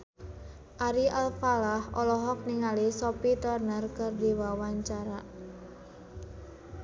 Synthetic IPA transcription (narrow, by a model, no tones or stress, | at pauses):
ʔaɾiʔalfalahɔlɔɦɔk̚niŋalisɔpit̪ɔrnərkɨrdiwawaɲt͡ʃaɾa